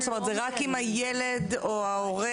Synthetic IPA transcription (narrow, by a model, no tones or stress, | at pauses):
stomet̪zeʁakimajeled̪oaoʁe